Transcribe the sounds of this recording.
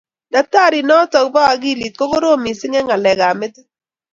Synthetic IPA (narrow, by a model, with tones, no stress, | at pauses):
da˨k̚ta˦˨ɾɪ˨nɔ˦tɔ˨kba˦a˨ɡi˦˨li˨t̚ko˦ko˦ɾo˦˨mi˨sɪ˦ŋɛ˦ŋa˨lɛ˨ɡa˨mɪ˦t